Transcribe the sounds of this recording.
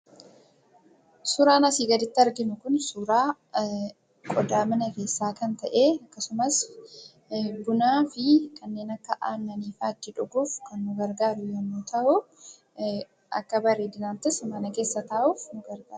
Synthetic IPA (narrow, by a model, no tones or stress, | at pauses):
sʊːɾaːnɐsiːɡɐd̪ɪt̪ːɪɐɾɡɪnʊkʊnsuːɾaː | kʼɔd̪aːmɐnɐɾeːsːaːkɐnt̪ɐʔeːɐkːɐsʊmɐs | ɡʊnaːfɪkʰɐnːe̞ːnɐkːɐʔaːnːɐniːfaːt̪ːɪᶑʊɡuːfkɐnːʊɡɐɾɡaːɾʊjɐnːuːt̪ʰɐʔʊ | ʔɐ̰kːɐbɐɾiːd̪ɪnaːnt̪ɪsmɐnɐke̞ːsːɐt̪ɐːʔuːfnʊɡɐɾɡaːɾɾʊ